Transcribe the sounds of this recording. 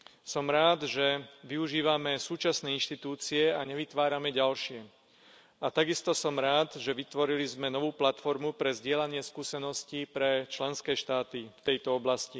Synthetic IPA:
sɔmɾaːd̪ʒɛʋiuʒiːʋamɛsuːt͡ʃasnɛːinʃt̪it̪uːt͡siɛaɲɛʋit̪ʋaːɾamɛɟalʃɪɛ | at̪aɡist̪ɔsɔmɾaːd̪ʒɛʋit̪ʋɔɾilizmɛnɔʋuːplat̪fɔɾmupɾɛzɟɪɛlaɲɪɛskuːsɛnɔscipɾɛt͡ʃlɛnskɛːʃt̪aːt̪ift̪ɛjt̪ɔɔblasci

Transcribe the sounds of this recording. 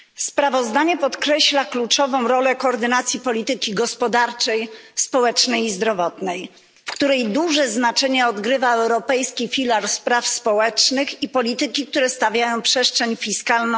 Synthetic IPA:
spɾavɔzd̪aɲɛpɔt̪kɾɛɕlaklut͡ʂɔvɔ̃w̃ɾɔlɛkɔːɾd̪ɘnat̪sʲjipɔlʲit̪ɘkʲiɡɔspɔd̪aɾt͡ʂɛjspɔwɛt͡ʂnɛjizd̪ɾɔvɔt̪nɛj | fkt̪uɾɛjd̪uʐɛznat͡ʂɛɲɛɔd̪ɡɾɘvaɛwɾɔpɛjskʲifʲilaɾspɾafspɔwɛt͡ʂnɘxipɔlʲit̪ɘkʲik̚t̪uɾɛst̪avʲjajɔ̃w̃pʂɛʂtt͡ʂʂɛɲfʲiskaln

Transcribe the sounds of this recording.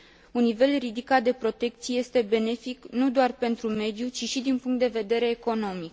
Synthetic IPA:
unːive̞lrid̪ikat̪̚d̪e̞pɾo̞t̪e̞kt̪sieje̞st̪e̞be̞ne̞fiknud̪oarpe̞nt̪ɾume̞d̪jut͡ʃiʃid̪inpuŋkt̪d̪e̞ve̞d̪e̞ɾe̞ːko̞no̞mik

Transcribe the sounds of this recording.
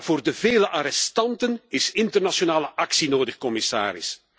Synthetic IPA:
v̥oːrdəveːləʔaɾɛstɑntənɪsɪntərnasonaːləʔɑksinoːdəxkɔmɪsa̰ːɾɪ̰s

